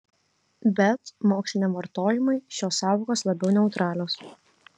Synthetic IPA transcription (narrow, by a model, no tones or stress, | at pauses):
bʲɛt̪moːksʲlʲɪnʲeːmʋɐɾt̪oːjɪmɐɪʃʲoːsːɑːʋoːkoːslˠɐbʲɛʊnʲɛʊt̪ɾɑːlʲoːs